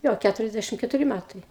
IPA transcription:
ˈjoː ˈkʲætʊrʲɛzʲˌdʲæʃʲɪm kʲɛtʊˈrʲɪ ˈmʲætɐɪ

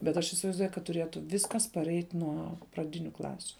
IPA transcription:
bʲɛt ˈɐʃ ɪsʲɪʋɐɪzˈduɔjʊ kɐt tʊˈrʲeːtʊ ˈʋʲɪskɐs pɐˈrʲɛɪtʲ ˈnuɔ prɐˈdʲɪnʲʊ ˈklˠɑːsʲʊ

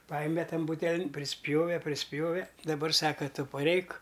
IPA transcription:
ˈpɑːjɛmʲɛ ˈtɐn ˈbuːtʲɛlʲɪn pʲrʲɪˈsʲpʲjoːʋʲɛ pʲrʲɪˈsʲpʲjoːʋʲɛ dɐˈbɐr ˈsɑːkɐ ˈtʊ pɐˈrʲɛɪk

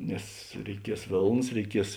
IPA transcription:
ˈnʲɛs rʲɛɪˈkʲiɛs ˈʋʲeːlˠnɐs rʲɛɪˈkʲiɛs

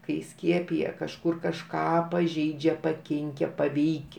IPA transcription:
kɐɪ ˈsʲkʲiɛpʲɪjɛ kɐʃˈkʊr kɐʃˈkɑː pɐˈʒʲɛɪd͡ʒʲɛ pɐˈkʲɪŋʲkʲɛ pɐˈʋʲɛɪkʲ

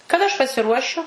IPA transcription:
kɐˈdɐ ɐʃ pɐsʲɪˈruɔʃʲʊ

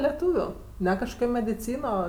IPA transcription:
lʲɛˈtuːʋʲʊ ˈnʲɛ kɐʃˈkoːkʲoː mʲɛdʲɪˈt͡sʲiːnoː

